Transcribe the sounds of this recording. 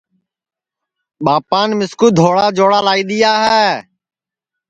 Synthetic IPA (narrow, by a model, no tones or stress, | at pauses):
ɓaːpaːnmɪskuːd̪ʱoːɽaːd͡ʒoːɽaːlaːiːɗ̪ɪjaːɦɛː